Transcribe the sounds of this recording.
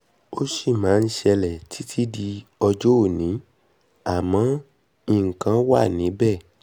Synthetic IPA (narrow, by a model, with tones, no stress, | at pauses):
o˦ʃi˦˨mãː˨˦˧n̩˦ʃɛ˧lɛ˨tʰi˨˦tʰi˦di˧ɔ˧d͡ʒo˦o˦˨nĩ˨˦ | a˦˨mɔ̃˨˦ | ĩ˧ŋ̩˨kã˨˦wa˦˨nĩ˨˦bɛ˦˨